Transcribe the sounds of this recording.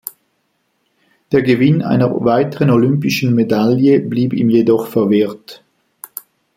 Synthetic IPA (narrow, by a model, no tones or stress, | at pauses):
d̥eːɐɡəvɪna̰ɪnɐvaɪtəʁənolʏmpɪʃn̩medaljəbliːbḭːmjedɔχfɛɐvɪɐt